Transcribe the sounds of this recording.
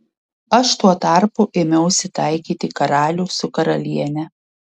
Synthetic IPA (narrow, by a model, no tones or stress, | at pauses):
ɐʃt̪uɔt̪ɑˑɾpʊʔɪmʲɛʊʊʃʲsʲɪt̪ɑˑɪkʲiːt̪ʲɪkɐɾɑːlʲuːsʊkɐɾɐlʲiɛnʲɛ